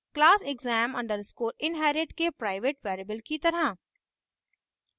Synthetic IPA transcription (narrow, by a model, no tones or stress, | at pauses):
klaːsɪɡzæːmɐ̃ɳɖəɾskoːɾɪ̃nɦɛːɾɪʈkepɾaːɪʋeʈʋɛːɾebəlkit̪ɐɾã